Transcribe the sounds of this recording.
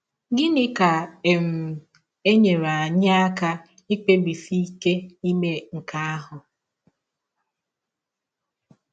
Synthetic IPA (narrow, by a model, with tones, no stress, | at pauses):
ɡɪ˦nɪ˦ka˨e˨m̩˨ | e˦ɲe˨ɾa˨ɲa˦a˦ka˦ | i˦k͡pe˦bi˨fi˦ke˦i˦me˦ŋ̩˨ka˦a˦ɦʊ˨